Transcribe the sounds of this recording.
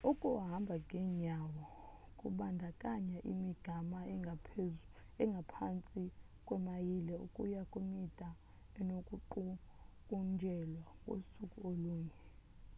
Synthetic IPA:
ukʼuɦambʱaŋʱɛɲawɔkʼṵɓandʱakʼaɲaʔimiɡ̥ʱamaa | ɛŋɡʱapʰant͡sʼi | kʼwɛmajilɛṵkʼujakʼumid̥ʱʼa | ɛnokʼuǃu | kʼund͡ʒʱɛlwakʼo̰sukʼuoluːɲɛ

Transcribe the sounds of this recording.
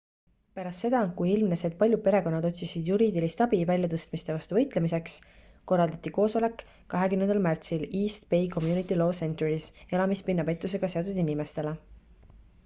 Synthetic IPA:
pæɾɑst̪se̞d̪̥ɑkujilmnese̞d̪̚pɑlʲjud̪̥̚pe̞ɾe̞ko̞nːɑd̪o̞t̪ʲsisid̪̥juɾiːd̪ilist̪ɑbivælʲjɑt̪ɤst̪mist̪e̞vɑst̪uvɤ̞jt̪ˑlemise̞ks | ko̞rːɑld̪ɑt̪ːˑiko̞ːso̞le̞kː | ɑɦe̞kymnend̪ɑlmært̪siliːst̪pe̞jko̞mjuːnit̪ˑːilo̞ːse̞nt̪uɾise̞lɑmispinːɑpe̞t̪ːˑuse̞ɡ̥ɑse̞ot̪ːˑud̪inimest̪e̞le

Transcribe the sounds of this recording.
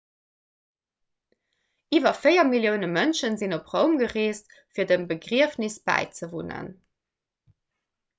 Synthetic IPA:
ʔiːvɐfeɪɐmiljəʊnəmənʃənzinopʁəʊmɡəʁeːst | fiːɐdəmbəɡʁiəfnisb̥æ̰ɪt͡səvunə̰n

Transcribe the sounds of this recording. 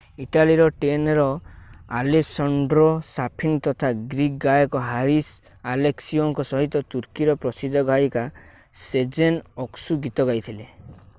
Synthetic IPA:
iʈaliɾɔʈenɔɾɔalesɔɳɖɾɔsapʰint̪ɔt̪ʰaɡɾik̚ɡajɔkɔɦaɾis | aleksioŋkɔsɔɦit̪ɔt̪uɾkiɾɔpɾɔsid̪ʱːɔɡajka | sed͡ʒenɔksuɡit̪ɔɡajt̪ʰile

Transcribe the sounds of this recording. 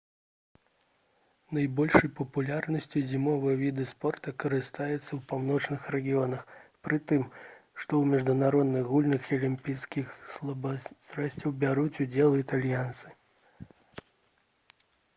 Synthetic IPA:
nɐjbɔlʲʂɐjpɐpulʲarnɐsʲt͡sʲizʲimɔvɨjɐvʲid̪ɨspɔrt̪ɐkɐɾɨst̪ajɛt̪sːɐwpawnɔt͡ʂnɨxrɛɡʲijɔnɐxpɾɨt̪ɨmʂt̪ɔwmʲɛʐd̪unaɾɔd̪nɨɣɣulʲnɨxiɐlʲimʲpʲijskʲixsˠbsɾasʲt͡sʲɐwbʲaɾut͡sʲud͡zʲɛlˠit̪alʲjant̪sɨ̥

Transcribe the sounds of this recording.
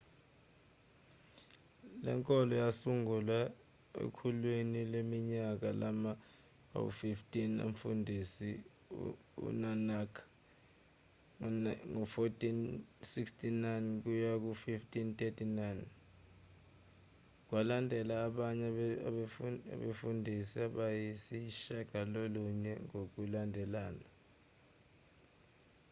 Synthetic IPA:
lɛ̰ŋkʼɔlɔjasuŋula | ḛkʰulwinilemiɲak̬alama | a̰kṵfiftʼinḛɱfṵndʱisḭ | ṵnanakʰ | ŋɔfotʼinsikstʰʼinajnk̬ujak̬ufiftʼintʼetʰʼinajn | k̬walandʱɛlaːɓaɲɛ | a̰ɓefundʱisiaɓajisiʃaɡ̥ʱaloluɲɛŋok̬ulandʱɛlaːna

